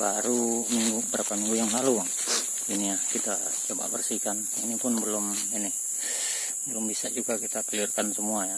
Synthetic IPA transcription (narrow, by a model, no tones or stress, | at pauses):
baɾumiŋɡubəɾapamiŋɡujaŋɦaluaŋ | iniakit̪a | t͡ʃɔba̰ʔbɛrsikan | ḭnipunbəlum | ini | bəlumbisad͡ʒuɡakit̪apəliarkansumuaja